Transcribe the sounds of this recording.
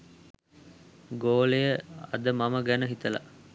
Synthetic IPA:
ɡoːlejəɐ̰d̪əmɐməɡænəɦit̪ɐlɐ̰

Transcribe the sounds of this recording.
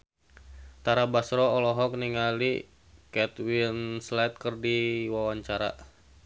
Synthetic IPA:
t̪aɾabasɾɔɔlɔɦɔk̚niŋali | kɛt̪winslɛt̪̚kərdiwawaɲt͡ʃaɾa̰

